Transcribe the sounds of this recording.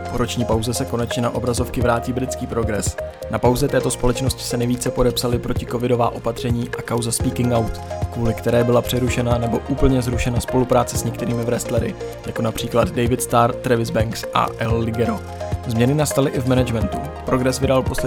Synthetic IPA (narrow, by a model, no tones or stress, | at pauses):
po̞ɾo̞t͡ʃɲiːpawzɛsɛko̞nɛt͡ʃɲɛnaʔo̞bɾazo̞fkɪvɾaːciːbɾɪt͡skiːpɾo̞ɡɾɛs | napawzɛt̪ɛːt̪o̞spo̞lɛt͡ʃno̞scɪ̥sɛnɛjviːt͡sɛpo̞dɛpsalɪpɾo̞cɪko̞vɪdo̞vaːʔo̞pat̪r̝̥ɛɲiːʔakawzaspiːkɪŋɡawt̪kvuːlɪkt̪ɛɾɛːbɪlapr̝̥ɛɾuʃɛnanɛboʔuːpl̩ɲɛzɾuʃɛnaspo̞lupɾaːt͡sɛsɲɛkt̪ɛɾiːmɪvɾɛst̪lɛɾɪ̰ | jako̞napr̝̥iːklad̪dɛjvɪt̪st̪aɾt̪ɾɛvɪzbɛŋksʔa̰ʔɛllɪɡɛɾo | zmɲɛnɪnast̪alɪʔɪvmɛnad͡ʒmɛnt̪u | pɾo̞ɡɾɛsvɪdalpo̞slɛ